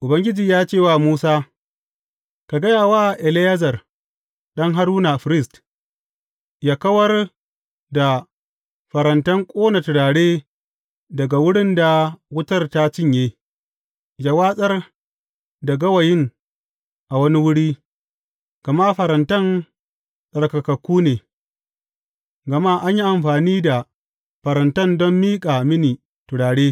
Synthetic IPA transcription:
ʔʊ˨bɐ˦ŋɡʲɪ˦d͡ʒiː˨jaː˦t͡ʃeː˦˨waː˦˨muː˦saː˦ | ka˨ɡɐ˦jaː˨waː˦˨ʔɛ˨lɪ˦jɐ˦zɐ˨r | ɗɐ˦ŋɦa˦ɾuː˦na˨ɸɪ˨ɾɪ˦st | jaː˦kɐ˦wɐ˦r | da˨ | ɸɐ˨ɾɐ˨ntɐ˦ŋkʷʼoː˦na˨tʊ˨ɽaː˨ɽeː˦ | dɐ˨ɡa˨wʊ˦ɽɪ˦nda˨wʊ˦tɐ˦rta˦t͡ʃɪ˦ɲjeː˦ | d͡ʒa˨waː˦sʼɐ˦r | dɐ˨ɡɐ˦wɐ˨jɪ˦n | ʔa˨wɐ˦ni˦wʊ˦ɽiː˦ | ɡ̥ɐ˨ma˦ɸɐ˨ɾɐ˨ntɐ˦n | sʼɐ˨ɽkɐ˨kɐ˨kʷːuː˦neː˨ | ɡɐ˨ma˦ʔa˦ɲji˦ʔa˨mɸaː˨niː˦da˨ | ɸɐ˨ɾɐ˨ntɐ˦ndɔ˦mːiː˦kʼa˨mɪ˦ni˨ | tʊ˨ɽaː˨ɽeː˦

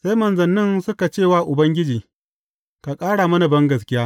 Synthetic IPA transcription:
sa˦jmɐ˨nzɐ˨nːɪ˦nsʊ˦ka˨t͡ʃeː˦˨waː˦ʔʊ˨bɐ˦ŋɡʲɪ˦d͡ʒiː˨ | ka˨kʼaː˦ɽaː˨mɐ˦na˨bɐ˦ŋɡɐ˨s̬kʲɪ˦jaː˦

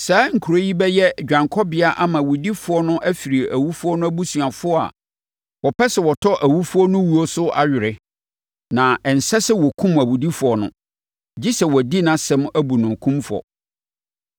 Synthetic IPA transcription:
saː˨˦ŋ̩˨kʰu˨ɾo˦ji˦bɛ˦jɛ˦˨d͡ʑᶣã˨ŋkʰɔ˦bɪ˦a˦ʔa˦mã˨wu˨di˦fʊ˨ɔ˦nʊ̃˦ʔæ˦fi˨ɾi˨e˨ʔæ˨wu˦fʊ˦ɔ˦nʊ̃˦æ˦bu˦sɥa˨fʊ˦ɔ˦a̰˨ | wɔ˨pʰɛ˦sɛ˨wɔ˨tʰɔ˦ʔæ˨wu˦fʊ˦ɔ˦nʊ̃˦wu˦ɔ˦sʊ˦ʔa˦ɥɪ˨ɾɪ˦ | nã˨ɛ˨n̩˨sɛ˦sɛ˦wɔ˨kʰũ˦mæ˨wu˨di˦fʊ˨ɔ˨nʊ̰̃˦ | d͡ʑi˦sɛ˨wɔ˨di˦nã˨sɛ̃˦mæ˦bu˨nʊ̃˨kʰũ˦mfʊ˨ɔ̰˨

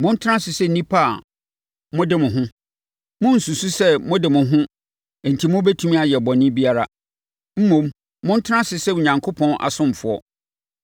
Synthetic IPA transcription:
mʊ̃˦n̩˦tʰɪ˦ɾã˦sɪ˨sɛ˦˨nĩ˦pʰa˦˨ | mʊ̃˦dɪ˦mʊ̃˨ɦʊ̃˦ | mʊ̃˦n̩˨su˨su˦sɛ˦mʊ̃˦dɪ˨mʊ̃˨ɦʊ̃˦˨ | n̩˨tʰi˨mʊ̃˦bɛ˦tʰũ˦mĩ˦a˨jɛ˨bɔ̃˨nɪ̃˦bi˦a˦ɾa˦ | m̩˦mõ˨m | mʊ̃˦n̩˦tʰɪ˦ɾã˦sɪ˨sɛ˦u˨ɲã˨ŋkʰo˦pʰɔ̃˦nʔa̰˨sʊ̃˦m˨fʊ˨ɔ̰˦

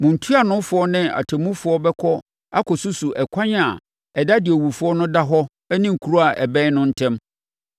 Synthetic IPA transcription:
mʊ̃˨n̩˨tʰu˦a˨nʊ̃˦fʊ˨ɔ˦nɪ̃˦a̰˨tʰɛ˨mũ˦fʊ˨˦ɔ˦bɛ˦kʰɔ˦ | a˦kʰɔ˨su˦su˨ʔɛ˨kʷʰã˦ɲ˦a̰˨ | ɛ˨da˦dɪ˨ɛ˨wu˨fʊ˨˦ɔ˦nʊ̃˦da˦ɦɔ˦ | ɛ˦nĩ˦ŋ̩˨kʰu˨ɾu˦a˨ʔɛ˨bɛ̃˦nʊ̃˦n̩˦tʰɛ̃˦m

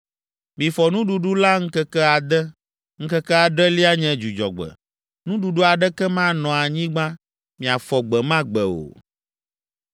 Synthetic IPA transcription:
mĩ˨fɔ˨nũ˦ɖu˨ɖu˦la˦ŋ̩˦kɛ˦kɛ˦a˨d̪ɛ˦ | ŋ̩˦kɛ˦kɛ˦a˨ɖɛ˦li˦a˦ɲɛ̃˦d͡ʒu˨d͡ʒɔ̰˨ɡ͡bɛ̰˨ | nũ˦ɖu˨ɖu˦a˨ɖɛ˦kɛ˦mã˦nɔ̃˨a˨ɲĩ˦ɡ͡bã˦ | mĩ˨a˨fɔ˨ɡ͡bɛ˨mã˦ɡ͡bɛ˨o̰˨

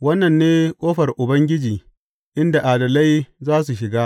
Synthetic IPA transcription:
wɐ˦nːɐ˨nːeː˦kʼoː˦ɸɐ˨rʔʊ˨bɐ˦ŋɡʲɪ˦d͡ʒiː˨ | ʔɪ˦nda˨ʔaː˨dɐ˨lɐ˦jzaː˦s̬u˨ʃɪ˨ɡaː˦

